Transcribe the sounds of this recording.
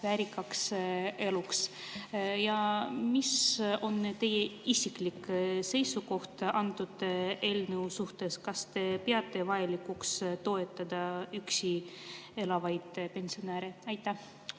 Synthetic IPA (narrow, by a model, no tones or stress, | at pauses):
væɾikːɑkse̞luks | jɑmiso̞nt̪e̞jeisʲiklikse̞jsuko̞ht̪ɑnt̪ud̪̥e̞ːlnewsuht̪e̞skɑst̪e̞peɑt̪ːˑe̞vɑjɑlikːukst̪o̞e̞t̪ːˑɑd̪ɑyksie̞lɑvɑjd̪̥pensionæːɾeɑjt̪ːˑæh